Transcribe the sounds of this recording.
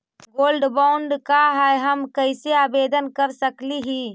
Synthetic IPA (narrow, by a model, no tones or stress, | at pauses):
ɡoːlɖbaʊɳɖkaɦɛjɦəmkəɪseaːbeːd̪ənkəɾsəkliɦi